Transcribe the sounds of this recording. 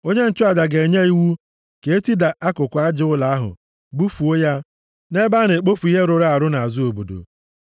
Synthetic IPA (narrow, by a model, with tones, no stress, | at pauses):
o˦ɲe˦n̩˨t͡ʃʊ˦a˨da˨ɡe˨ɲe˦i˦wu˦ | ke˨e˦ti˦da˨ʔa˦kʊ˨kʷa˦d͡ʒɪ˦ʊ˦la˨a˦ɦʊ̰˨ | bu˦fu˨o˦ja˦ | ne˦ba˦ne˨k͡po˦fu˨˦i˦ɦe˦ɾʊ˨ɾa˦a˨ɾʊ˦na˨zʊ˦o˨bo˨do̰˨